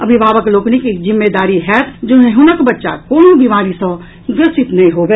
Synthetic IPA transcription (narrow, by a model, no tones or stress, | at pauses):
ɐbʱibaːbəkloːknikikd͡ʒɪmːed̪aːɾiɦɛt̪ʰd͡ʒoːneɦunəkbɐtːʃa̰koːnobiːmaːɾisə̃ | ɡɾɪsʃɪt̪nɐɦĩɦoːbeː